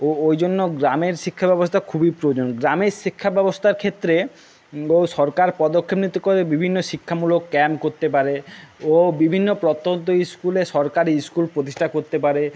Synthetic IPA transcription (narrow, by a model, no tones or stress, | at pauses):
oojd͡ʑonːoɡɾameɾʃikʰːabɛbost̪ʰakʰubipɾod͡ʑonɡɾameɾʃikʰːabɛbost̪ʰaɾkʰet̪ːɾe | oʃɔɾkaɾpɔd̪okʰːepnit̪ːokoɾebibʱinːoʃikʰːamulokːɛmkoɾt̪epaɾeobibʱinːopɾot̪ːont̪̬oiskuleʃɔɾkaɾiskulpɾot̪iʃʈʰakoɾt̪epaɾe